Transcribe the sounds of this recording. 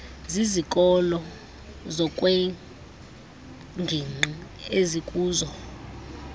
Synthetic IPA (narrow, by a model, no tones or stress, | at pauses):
zizikʼɔlɔ | zɔkʼwɛ | ŋɡʱiŋ͡ǃi | ezikʼuːzɔ